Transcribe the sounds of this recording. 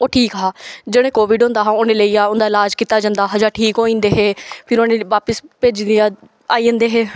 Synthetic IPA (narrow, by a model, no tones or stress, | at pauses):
oːʈʰiːkɦaːd͡ʒeːɽ̃ẽːkoːʋɪɖɦõːnd̪aːɦãːoneːləiːaːʊnd̪aːɪlaːd͡ʒkiːt̪aːd͡ʒãːnd̪aːɦəd͡ʒaːʈʰiːkɦoːĩːnd̪eːɦeːpʰɪɾoːneːʋaːpəspeːd͡ʒ̪iːaː | aːiːə̃ːnd̪eːɦeː